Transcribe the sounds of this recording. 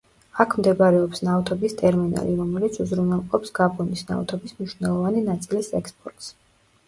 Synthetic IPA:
akʰmd̪ɛbɾɛɔpsnavt̪ʰɔbist̪ʼɛɾmina̰liɾɔmɛlit̪sʰuzɾunɛlˠqʼɔpsɡ̥abʰɔnisna̰vt̪ʰɔbismniʃwnɛlˠɔvaninat̪sʼilisɛkspʼɔɾt̪ʼs

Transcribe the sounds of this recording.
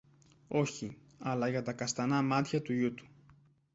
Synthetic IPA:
o̞çi | ɐlɐʝɐt̪ɐkɐst̪ɐnɐmɐt̪çɐt̪uʝut̪u̥

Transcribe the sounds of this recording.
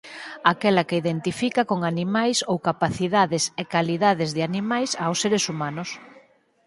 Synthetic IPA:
akɛlɐkɪiðent̪ifikɐkoŋanimajsowkapaθiðaðɪsekaliðaðɪzðɪanimajsawsːeɾesumanʊs

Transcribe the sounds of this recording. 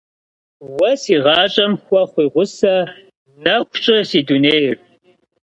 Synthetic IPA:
wɐsiːʁɑːt͡ʃʼɐmxʷɔχʷiːʁʷʊsɐ | nɐkʷt͡ʃʼɪsiːduneːjr

